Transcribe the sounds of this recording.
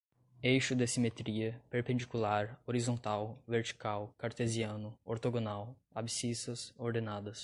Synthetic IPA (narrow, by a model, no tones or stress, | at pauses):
ejʃʊd̪esimet̪ɾiɐpeɾpẽnd͡ʒikulaɾoɾizõnt̪awveɾt͡ʃi̥kawkaɾt̪eziɐ̃nʊoɾt̪oɡonaw | a̰bisisɐsoɾd̪enad̪ɐs